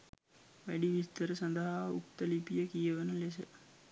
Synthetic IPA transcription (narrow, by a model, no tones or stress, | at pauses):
ʋæɖiʋist̪əɾəsand̪əɦaṵkt̪əlipijəkijəʋənəles̬ə